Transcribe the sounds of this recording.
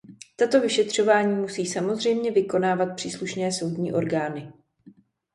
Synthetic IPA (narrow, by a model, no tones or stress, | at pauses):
t̪at̪o̞vɪʃɛt̪r̝̥o̞vaːɲiːmusiːsamo̞zr̝ɛjmɲɛvɪko̞naːvat̪̚pr̥iːsluʃnɛːso̞wdɲḭːʔo̞ɾɡaːnɪ